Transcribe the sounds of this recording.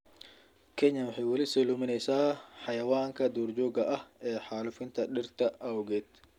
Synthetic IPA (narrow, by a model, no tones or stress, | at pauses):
kʰɛɲːɐnwɪħiːwɐlɪsɛlumɪnɛjsaːħajɐwaːŋkʰɐd̪uːrd͡ʒɔːɡɐʔɐhɛːħaːlʊfɪnt̪ʰɐɗɪrt̪ɐʔɐwʊɡɛːt̪